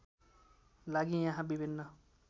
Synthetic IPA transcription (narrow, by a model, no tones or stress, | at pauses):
laɡijãɦãbibʱinːʌ